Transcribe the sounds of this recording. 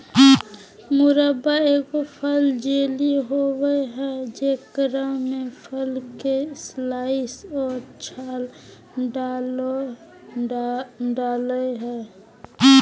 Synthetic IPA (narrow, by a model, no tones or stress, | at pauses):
mʊɾəbaeːkopʰəld͡ʒeːliɦowəeɦɛd͡ʒeːkɾamẽpʰəlkeslaːɪsɔːɾt͡ʃʰaːl | ɖal | ɖaːləɦɛː